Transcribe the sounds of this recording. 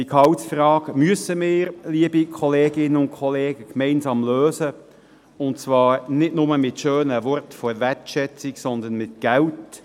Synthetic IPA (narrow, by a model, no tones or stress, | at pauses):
d̥ikʰɑwtsfɾɑːɡmyəsəmɪːɾliəbikʰɔleːɡɪnəʊntkʰɔleːɡ̥əkmɛɪnsɑːmløːzə | ʊnt͡sʋɑːɾnɪtnʊməmɪtʃøːnəvɔɾtfɔvætʃɛt͡sɪksɔnd̪ənmɪtɡ̥ælt